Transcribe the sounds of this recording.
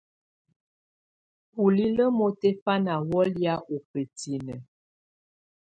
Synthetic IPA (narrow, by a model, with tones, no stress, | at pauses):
pu˨li˦lə˦mo˦te˦fa˦na˨wɔ˦lja˦ʔo˨pə˨ti˨nə˨